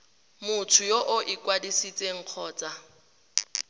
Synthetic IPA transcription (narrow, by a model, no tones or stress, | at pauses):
mʊtʰʊjoʔʊʔɪkʼwadisit͡sʼeŋ̩q͡χʰɔːt͡sʼa